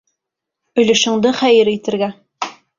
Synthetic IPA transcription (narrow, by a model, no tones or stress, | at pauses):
ɵ̆lɘ̆ʃɘ̆ŋd̪ɘχæjɘɾit̪ɘ̆ɾɡæ